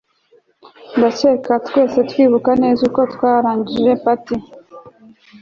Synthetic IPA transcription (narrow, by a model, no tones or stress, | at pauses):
ndat͡ʃe̞katkwe̞ːse̞twiːβukane̞ːzuko̞tkwaːɾaːɲɟiʒe̞pati